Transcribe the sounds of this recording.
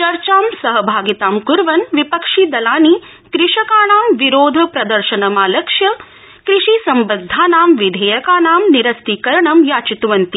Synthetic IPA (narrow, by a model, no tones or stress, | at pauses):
t͡ʃɐɾt͡ʃaːmsɐɦɐbʱaːɡit̪aːmkuɾʋɐnʋipɐkʂid̪ɐlaːni | kɾɪʃɐkaːɳaːmʋiɾoːd̪ʱɐpɾɐd̪ɐɾʃɐnɐmaːlɐkʂjɐ | kɾiʂisɐmbɐd̪ʱːaːnaːmʋid̪ʱeːjɐkaːnaːmniɾɐst̪ikɐɾɐɳɐmjaːt͡ʃit̪uʋɐnt̪i